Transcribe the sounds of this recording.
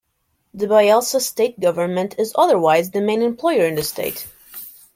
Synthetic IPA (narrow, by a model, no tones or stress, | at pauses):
ðɨbaɪalˠsəsteɪt̚ɡ̥ʌvə˞nmɨ̃ntʰɨzʌðə˞waɪzðɨmẽɪ̃nɨ̃mpʰl̥ɔɪə˞ɨ̃nðɨstʰḛɪt